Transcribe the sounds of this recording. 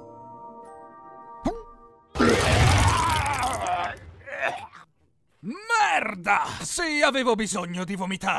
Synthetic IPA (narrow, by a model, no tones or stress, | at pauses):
mɛrd̪asiaveːvobizoɲːod̪ivomit̪a